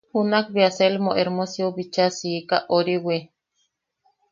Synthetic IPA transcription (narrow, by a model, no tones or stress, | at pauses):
hunakbiaselmoʔeɾmosioβit͡ʃasikaʔoɾiwe